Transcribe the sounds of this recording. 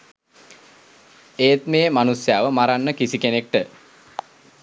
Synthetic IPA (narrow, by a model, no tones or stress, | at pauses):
eːt̪meːmanusjaːʋəmaɾanːəkisikenek̚ʈə